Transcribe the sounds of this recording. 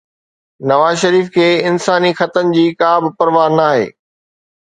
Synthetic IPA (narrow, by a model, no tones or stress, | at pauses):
nɐʋaːzʃɐɾiːfkʰeːɪnsaːnixɐt̪ənd͡ʑiːkaːbɪpɐɾʋaːɾnaːɦḛː